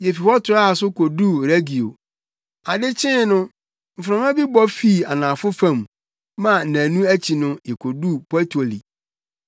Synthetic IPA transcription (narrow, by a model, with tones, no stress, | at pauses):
jɛ˨fi˨hɔ˦tʰʊ˨ɾa˦a˨sʊ˦kʰo˨du˦ɾe˦ɡi˨o˨ | a˨dɪ˦t͡ɕʰɪ̃˦nʊ̃˦ | m̩˨fɾã˨m˦ã˦bi˦bɔ˦fi˦˨a˨nã˨fʊ˦fã˦˨m˨ | mã˦˨n̩˨næ̃ː˨nũ˦æ˦t͡ɕʰi˨nʊ̃˦jɛ˨kʰo˨du˦pʰɔ˦tʰo˨lḭ˨